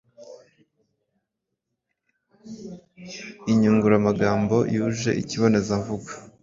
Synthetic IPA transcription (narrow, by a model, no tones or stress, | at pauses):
iɲuŋɡuɾamaɡaːmbo̞̰juʒe̞̰ʔḭciβo̞ne̞zaɱvuɡwḁ